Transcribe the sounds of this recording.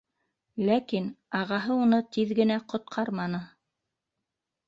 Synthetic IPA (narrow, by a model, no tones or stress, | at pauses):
lækinɑʁɑɦɤunɤt̪iðɡɘ̆næqŏt̪̚qʰɑɾmɑnɤ